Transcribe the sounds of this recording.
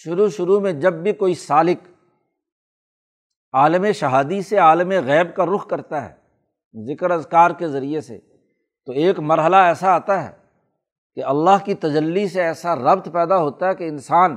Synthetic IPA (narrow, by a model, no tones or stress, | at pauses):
ʃʊɾuʃʊɾumẽd͡ʒɐbːʱikoːisaːlɪk | aːləmẽʃɐɦaːd̪iseaːləmeɣɛːb̚kaɾʊkʰkɐɾt̪aɦɛ̰ː | zɪkəɾɐzkaːɾkezɐɾiesḛ | t̪oeːkmɐɾɦəlaɛːsaaːt̪aɦɛ̰ː | keɐlːaːɦkit̪ɐd͡ʒəlːiseɛːsaɾɐbt̪pɛːd̪aɦoːt̪aɦɛkeɪnsaːn